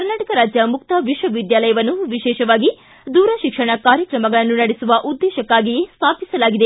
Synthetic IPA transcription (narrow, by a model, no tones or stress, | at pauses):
kɐɾnaːʈɐkɐɾaːd͡ʒjɐmukt̪ɐʋiʃʋɐʋid̪jaːlɐjɐʋɐnːuʋiʃɛːʃɐʋaːɡi | d̪uːɾɐʃikʂɐɳɐkaːɾjɐkɾɐmɐɡɐɭɐnːunɐɽisuʋɐʔud̪ːɛːʃɐkːaːɡijest̪ʰaːpisɐlaːɡid̪e